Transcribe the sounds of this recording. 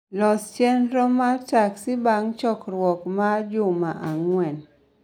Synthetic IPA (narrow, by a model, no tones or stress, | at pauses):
lɔst͡ʃɛnɾɔmataksɪbaŋt͡ʃɔkɾwɔkmad͡ʒʊmaʔaŋwɛn